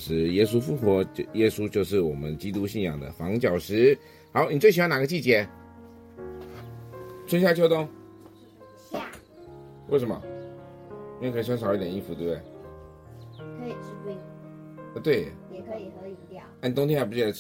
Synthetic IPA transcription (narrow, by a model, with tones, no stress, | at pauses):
ʂɻ̩˧˥jɛ˥s̬u˥fu˥˩xwɔ˧˥jɛ˥su˥t͡ɕjo˥˧ʊʂɻ̩˥˩wɔ˨˩mə̰˦nt͡ɕi˥t̪u˥ɕi˥˩njɑ̰˨˩ŋd̪ə̰˨fɑ˧˥ŋt͡ɕjɑ˨˩ʊʂɻ̩˧˥ | xɑ˧˥ʊni˨˩t͡swe˥˩ɕna˨˩ɡə˧˦t͡ɕi˥˩t͡ɕjɛ˧˥ | t͡sʰə˥nɕja˥˧t͡ɕʰjo˥ʊt̪ʊ˥ŋ | we˥˩ɪʂə˧nmɐ̰˧ | i˧˥we˥˩kʰjɑ˥ʂɑ˨˩˥t̪jɛ˨˩ni˥˩fu˧t̪e˥˧˩bd̪e˥˩ɪ˥˧˩ | ə˧˩t̪we˥˩ɪ˨˧˥ | n˨t̪ʊ˥ŋt̪ʰɛ̃˥˨˩pu˧˥˩